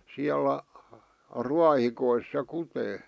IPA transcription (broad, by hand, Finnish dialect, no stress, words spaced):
siælæ ruɑhikois se kuteː